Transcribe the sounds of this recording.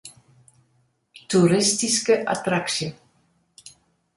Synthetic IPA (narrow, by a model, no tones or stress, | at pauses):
t̪uɾɪstiskəʔa̰t̪ɾaksjə